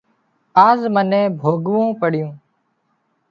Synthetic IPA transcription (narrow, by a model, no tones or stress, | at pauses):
aːzmənẽːbʱoːɡʋõːpəɽɪjõː